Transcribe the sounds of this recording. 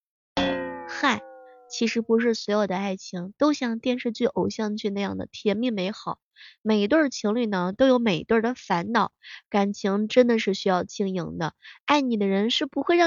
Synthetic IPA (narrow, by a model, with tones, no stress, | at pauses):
xa˥˩t͡ɕʰi˧˥ʂɻ̩˧˥pu˧˥ʂ̬ɻ̩˥˩swɔ˧˥ɪjo˨˩d̪ə˧a˥˩ɪt͡ɕʰi˧˥ŋt̪o˥ʊɕjɑ˥˧ŋt̪jɛ˥˧nʂɻ̩˥˧t͡ɕy˥˩ʔo˨˩ʊɕjɑ˥˧ŋt͡ɕʰy˥˧na˥˧jɑ˥˩ŋd̪ə̰˩t̪ʰjɛ˧˥nmi˥˩me˧˥ɪxɑ˨˩˦ʊme˨˩ɪ˧˥t̪wə˥˩d̪ə˩t͡ɕʰi˧˥ŋly˥˩nə˩t̪o˥ʊjo˧˥ʊme˨˩ɪt̪wə˥˩d̪ə˩fa˧˥nnɑ˨˩˦ʊka˨˩nt͡ɕʰi˧˥ŋʈ͡ʂə˥nd̪ə˨ʂɻ̩˥˩ɕy˥jɑ˥˧ʊt͡ɕʰi˥˩ŋji˧˥ŋd̪ə˧a˥˩ɪni˨˩d̪ə˦ɻə˧˥nʂɻ̩˥˩pu˧˥xwe˥˧ɪɻɑ˥˧